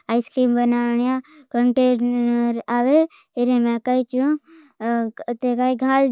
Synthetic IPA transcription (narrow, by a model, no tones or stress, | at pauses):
aːiskɾiːmbənaːɳijã | kəɳʈeɾɾaːʋe | eɾemɛ̃kait͡ʃũ | t̪ekaːiɡʱaːl